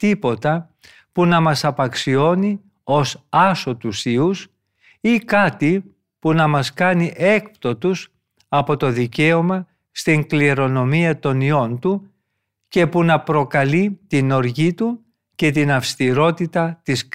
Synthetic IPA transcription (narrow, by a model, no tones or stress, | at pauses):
t̪ipo̞t̪ɐ | punɐmɐsɐpɐksio̞ni | o̞sɐso̞t̪usius | ikɐt̪i | punɐmɐskɐniʔe̞kpt̪o̞t̪us | ɐpo̞t̪o̞ðice̞o̞mɐ | st̪iŋkliɾo̞no̞miɐt̪o̞nio̞nt̪u | ce̞punɐpɾo̞kɐlit̪ino̞ɾʝit̪u | ce̞t̪inɐfst̪iɾo̞t̪it̪ɐt̪is